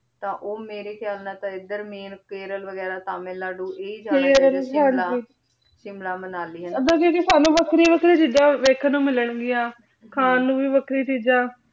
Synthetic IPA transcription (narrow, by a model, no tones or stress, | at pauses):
t̪ãːʔoːmeːɾeːkʰɪjaːlnãːt̪ãːɪd̪əɾmeːnkeːɾəlʋəɡɛːɾaːt̪aːmẽːlaːɖuːʔeːid͡ʒaeːɾəlkai | ʃɪmlaːmənaːliːəd̪ãːkeːkisaːnũːʋəkʰɾiːʋəkʰɾiːt͡ʃiːd͡ʒãːʋeːkʰnũːmɪləɳɡɪjãː | kʰaːnũːʋiːʋəkʰɾiːt͡ʃiːd͡ʒãː